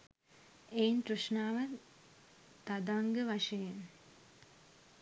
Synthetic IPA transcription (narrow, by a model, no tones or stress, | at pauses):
ejntɾuʂnaːʋə | t̪ad̪aŋɡəʋaʂejen